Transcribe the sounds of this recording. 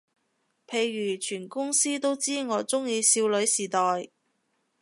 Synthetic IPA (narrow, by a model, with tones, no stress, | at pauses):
pʰe˧jːyː˨˩t͡ʃʰyː˨˩nkʊ˥ŋsiː˥t̪o˥wt͡siː˥ŋɔː˨˧t͡sʊ˥ŋjiː˧siː˧wlɵ˨˧˥ɥsiː˨˩t̪ɔː˨j